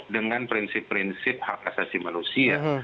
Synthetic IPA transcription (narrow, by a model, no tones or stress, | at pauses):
dəŋanpɾinsɪpːɾinsɪp̚hakasasimanusia̰